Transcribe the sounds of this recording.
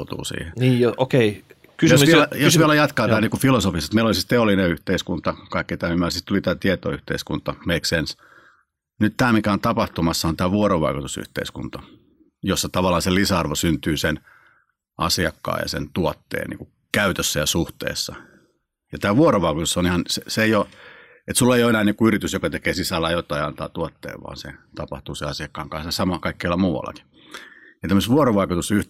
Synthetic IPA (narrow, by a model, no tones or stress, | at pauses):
t̪ṵːsḭːheniːjookei | kyjoʋilæjosʋielæjɑt̪kɑːt̪æːniːŋkufilosofisest̪meilolisist̪eolːineyht̪eiskunt̪ɑkɑikːit̪æːymːæsist̪ulit̪æːt̪iet̪o̰yht̪ḛiskṵnt̪ɑmeiksens | nytt̪æːmikæont̪ɑpɑht̪umɑsːɑont̪æːʋuoɾoʋɑ̰ikut̪usy̰ht̪ḛiskṵnt̪ɑ | josːɑt̪ɑʋɑlːˑɑːselisæɑrʋosynt̪yːsen | ʔɑ̰siɑkːɑ̰ːjɑ̰sḛnt̪uot̪ːḛːnnḭːku | kæyt̪øsːæjɑsuht̪ḛːsːɑ̰ | jɑt̪æːʋuoɾoʋɑikut̪usonihɑnseseeijo | et̪sulːeijoenæːniːkuyɾit̪ysjokɑt̪ekeːsisælːæjot̪ɑiɑnt̪ɑ̰ːt̪uɑt̪ːḛːʋʋɑ̰ːnsḛt̪ɑpɑ̰ht̪uːseɑsiɑkːɑːŋkɑ̃nsɑsɑmɑkɑikːeɑlːɑmuːʋɑ̰lːɑ̰ki̥ | jɑt̪æmːəst̪ʋuoroʋɑikut̪usyh